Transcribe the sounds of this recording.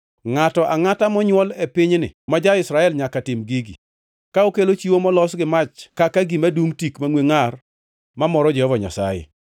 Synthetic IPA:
ŋatɔʔaŋatamɔɲwɔlepɪɲnɪ̰mad͡ʒaɪsɾaɛlɲakatɪmɡiɡḭ | kaokelot͡ʃiwomɔlɔsɡɪmat͡ʃkakaɡimaduŋtikmaŋweŋar | mamɔɾɔd͡ʒɛhɔvaɲa̰sa̰jɪ̰

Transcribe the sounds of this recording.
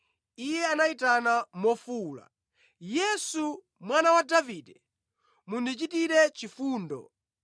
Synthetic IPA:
ijɛanaitanamɔfuːla̰ | jɛsu | mwanawadaviːdɛ | mundit͡ʃitiɾɛt͡ʃifuːndɔ̰

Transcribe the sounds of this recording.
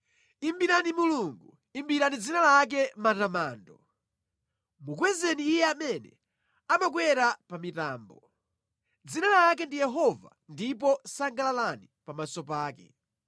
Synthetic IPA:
imbiɾanimuluŋɡu | imbiɾanid͡zinalak̬ɛmatamaːndɔ | muk̬wɛzɛniːjɛamɛnɛ̰ | amak̬wɛɾapamita̰ːmbɔ | d͡zinalakɛndijɛɦɔva̰ndipɔsaŋɡalalanipamasɔpaːkɛ̰

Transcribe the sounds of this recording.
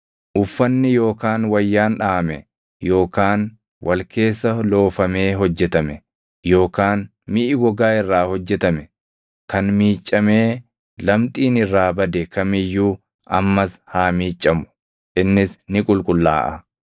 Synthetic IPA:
ʔʊfːɐnːɪjo̞ːkaːnwɐjːaːnᶑaːɐmɛ | jo̞ːkaːn | wʔɐlke̞ːsːɐlo̞ːfɐme̞ːɦɔd͡ʒːɛt̪ɐmɛ | jo̞ːkaːn | mɪʔɪɡɔɡaːɪrːaːhɔd͡ʒːɛt̪ɐmɛ | kɐnmiːt͡ʃʼːɐme̞ː | lɐmt̪ʼiːnɪrːaːbɐd̪ɛkɐmɪjːuː | ɐmːɐshaːmiːt͡ʃʼːɐmʊ̥ | ʔɪnːɪsnɪkʼʊlkʼʊlːa̰ːʔɐ

